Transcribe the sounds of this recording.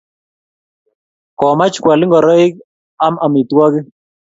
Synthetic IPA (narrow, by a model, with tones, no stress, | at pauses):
kɔ˨ma˦t͡ʃkwa˨lɪ˦ŋɡɔ˨ɾɔ˦i˦k̚ | a˦ma˨mi˨t̪wɔ˦kɪ˦